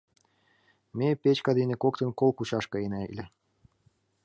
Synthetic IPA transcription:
mepet͡ɕkɑd̪enĕkokt̪ɤ̆nkolˠkut͡ɕɑʃkɤ̆enæḭlʲɘ̆

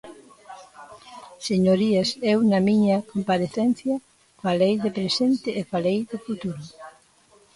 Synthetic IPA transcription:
seɲoɾiesewnɐmiɲɐkompaɾeθenθjɐ | falejðepɾesent̪ɪʔːfalejðɪfut̪uɾʊ

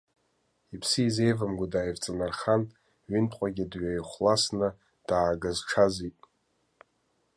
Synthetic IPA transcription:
ipʰsiize̞jvamɡʷadajvt͡sʼanarχan | ɥɪntʰʼqʷʼaɡʲidɥajχʷlasnɨ | d̥aːɡazʈ͡ʂʰazitʼ

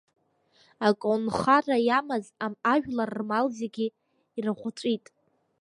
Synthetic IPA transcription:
akʼonχarajamazamaʒᶣlarːmalzeɡʲi | irɨχʷat͡ʃʷʼitʼ

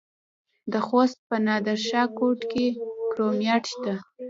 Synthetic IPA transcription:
d̪əxost̪̚pənɑd̪aɾʃɑkoʈkekɾomjɑʈt̪a

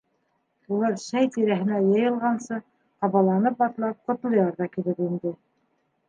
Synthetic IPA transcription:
ulˠɑɾʃæjt̪iɾæɦɘ̆næjɤ̆jɤ̆lˠʁɑnsɤ | qɑβɑlˠɑnɤp̚ɑt̪lˠɑp̚qŏt̪lˠɤ̆jɑɾðɑkilɘpind̪ɘ

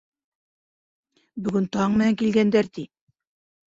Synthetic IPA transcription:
bɵ̆ɡɵnt̪ɑɴmɘ̆næŋkilɡænd̪æɾt̪i

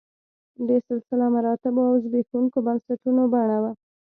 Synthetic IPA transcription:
d̪esɪlsɪlɑmaɾɑt̪ɪboawzbekuŋkobansat̪unobaɳawa

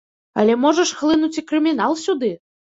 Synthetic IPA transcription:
ɐ̰lʲɛmɔʐɐʂxlˠɨnut͡sʲikɾɨmʲin̪alˠsʲud̪ɨ

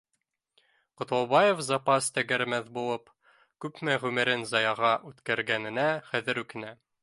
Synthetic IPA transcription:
qŏt̪ɑlˠbɑjefzɑpɑst̪æɡæɾmæðbulˠɤp | kʉpmæʁʉmɘ̆ɾɘnzɑjɑʁɑʔʉt̪kæɾɡænɘ̆næχæðɘ̆ɾʉkɘ̆næ

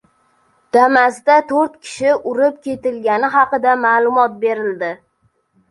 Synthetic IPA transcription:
d̪̥amazd̪at̪ʰoɾt̪kʲʰɪ̥ʃɪʔʊɾɪp̚kʲe̞t̪ɪlɡʲanɪɦɑqɨd̪amaːlˠʊmɒt̪̚be̞ɾɪld̪ɪ

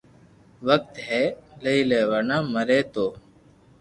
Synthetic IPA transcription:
ʋək̚t̪ɦɛːleiːleːʋənãːməɾeːt̪oː

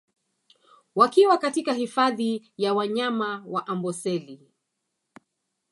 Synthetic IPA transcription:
wakiwakatikahifaði | jawaɲamawaʔambɔsɛli

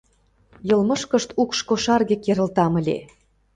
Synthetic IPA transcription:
jɤ̆lmɤ̆ʃkə̆ʃt̪ukʃkoʃɑrɣĕkeɾə̆lt̪ɑmə̆lʲḛ

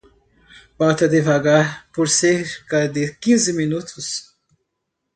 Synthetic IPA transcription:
bawt̪ɐd̪ɪvaɡaɾpoɾseɾɾkɐd̪ɪkĩzɪminut̪ʰʊs

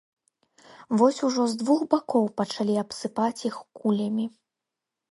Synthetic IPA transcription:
vɔsʲuʐɔzd̪vuxbakɔwpɐt͡ʂalʲiapsɨpat͡sʲixkulʲɐmʲi

